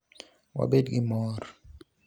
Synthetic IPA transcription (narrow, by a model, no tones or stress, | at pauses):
wa̰ɓedkimɔːɾ